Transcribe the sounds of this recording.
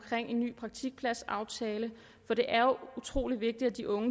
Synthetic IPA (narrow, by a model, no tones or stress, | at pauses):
kʰʁeŋ̰e̝nːy̰ːpʰʁɑ̈ɡ̥̚t͡sʰiɡ̥̚pʰlæsɑ̈ʊt͡sʰɛːlə | fɒ̽ɾ̥e̝ʔæɐut͡sʰʁo̝̰ːliʋe̝ɡ̥̚d̥idæd̥iʔɔ̽ŋə